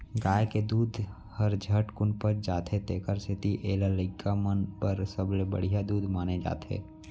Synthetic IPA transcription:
ɡaːjked̪uːd̪ʱ | həɾd͡ʒʱəʈkʊnpəɾd͡ʒaːt̪ʰet̪eːkəɾsɪt̪iʔeːlaləɪkʰːamənpəɾsəblebə̰ɽ̤ijad̪uːd̪ʱmaːned͡ʒa̰ːt̪ʰḛː

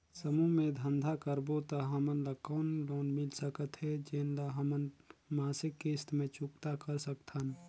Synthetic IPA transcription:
səmumẽd̪ʱənd̪ʱakəɾbot̪əɦəmənləkɔːnɖoːnmɪlsəkət̪ɦɛd͡ʒeːnlaɦəmənmaːsɪkːest̪mẽt͡ʃʊkt̪akəɾsəkt̪ʰən

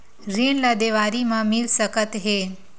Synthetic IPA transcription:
ɾinləd̪eʋaɾimãmilsəkət̪ɦe

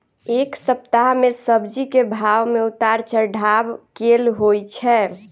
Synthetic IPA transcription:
eksəp̚t̪aɦmesəbd͡ʒikebʱaʋmeʊt̪aɾt͡ʃəɾɖʱabkelɦojt͡ʃʰɛ

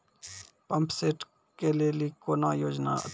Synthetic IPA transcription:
pəmpseːʈ | keːleːliːkoːnaːjoːd͡ʒna̰ːə̰t̪

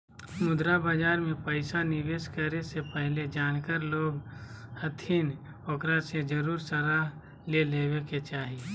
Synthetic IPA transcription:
mʊd̪ɾabaːd͡ʒaːɾmẽpəɪsanɪʋeːʃkəɾesepɛɦled͡ʒaːnkəɾloːɡhət̪ʰin | okɾased͡ʒəɾuːɾsəɾaːɦ | leleːweket͡ʃaːɦie

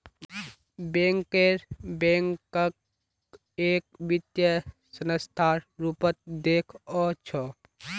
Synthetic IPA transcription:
bẽŋkeɾbẽːŋkək̚ | eːk̚ʋɪt̪jəsənəst̪ʰaːɾɾupət̪̚d̪eːkʰɔt͡ʃʰɔ

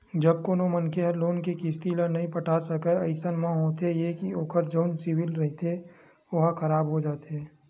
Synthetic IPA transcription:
d͡ʒəb̚koːnõmənkeɦəɾloːnkekɪst̪ilənɐɦĩpəʈʰasəkeɐɪsənmãɦoːt̪ejekioːkəɾd͡ʒəːnsɪwɪlɾɐɦit̪e | oɦkʰɐɾaːbɦod͡ʒaːt̪eː

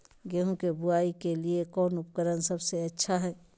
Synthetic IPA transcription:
ɡeɦũkebʊaːikeliekɔːnʊpkəɾənsɐbseɐtːʃʰaɦɛː

